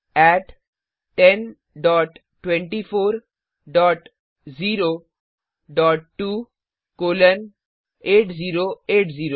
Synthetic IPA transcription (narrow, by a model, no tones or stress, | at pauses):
ɛːʈ | ʈɛn | ɖɔːʈːwẽɳʈifʰoːɾ | ɖɔːʈ | ziːɾo | ɖɔːʈːuː | koːlən | eːʈziːɾoeːʈziːɾo